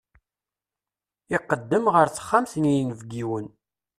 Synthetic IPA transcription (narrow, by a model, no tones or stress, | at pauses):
ɪqːəd̪ːəmʁəɾθə̥χːamθənijnvɡiwən